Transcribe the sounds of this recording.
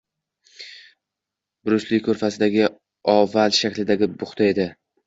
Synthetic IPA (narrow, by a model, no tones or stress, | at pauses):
b̥ʊɾʊslɪk̚ʲkʰɵɾfasɪd̪aɡʲɪ | ɒvalʃakʲlɪd̪aɡʲɪbʊχt̪ʰae̞d̪ɪ